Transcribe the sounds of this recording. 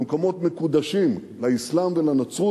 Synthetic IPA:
mkomo̞t̪me̞kud̪aʃimlaislamvelanat͡su

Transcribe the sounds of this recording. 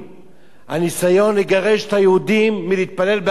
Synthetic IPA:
ha̰nisajo̞niɡaʁe̞ʃet̪hajeud̪imːiliit̪̚pale̞lbe

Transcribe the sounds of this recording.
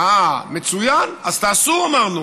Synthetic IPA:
ame̞t͡sujanazt̪aːsuamaʁnu

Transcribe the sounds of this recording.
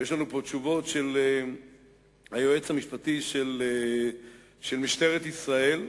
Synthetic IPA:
jeʃlanupo̞t͡ʃuvo̞tʃe̞le | hajoet͡shamiʃpat̪iʃele | ʃelmiʃt̪e̞ʁet̪isʁae̞l

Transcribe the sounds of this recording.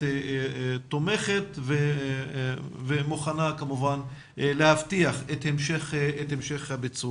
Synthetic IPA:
t̪ome̞χet̪ve | vemuχanakamuvan | lehaftiaχet̪hemʃeχetemʃeχhabet͡su

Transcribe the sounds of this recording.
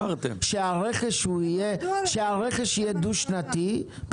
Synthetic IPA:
t̪ḛmʃeaʁeχeʃuijeʃeaʁeχeʃijed̪uʃnat̪i

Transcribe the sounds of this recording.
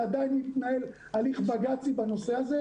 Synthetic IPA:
ad̪ajinit̪nae̞l | aliχbaɡat͡sibano̞seaze

